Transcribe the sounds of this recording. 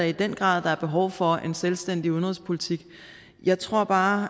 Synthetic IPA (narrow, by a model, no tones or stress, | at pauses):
æid̥en̰ɡ̥ʁɑ̰̈ːð̰ˠd̥ɑ̈æɐb̥e̝ɦɒʊfɒ̽e̝nselsd̥en̰d̥ionʁɔðˠspʰo̝lit͡sʰiɡ̥ | jɑ̈ɪt͡sʰʁo̝ɐ̰b̥ɑ̈ː